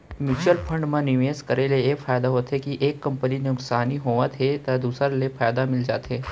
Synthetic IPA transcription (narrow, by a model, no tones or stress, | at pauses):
mʊt͡ʃəlfʰəɳɖmãniʋeskəɾeleefʰaːjd̪aɦot̪ʰekiʔekːəmpənineʊksaniɦoʋãt̪ʰet̪ad̪usəɾlefʰaːjd̪amɪld͡ʒat̪ʰe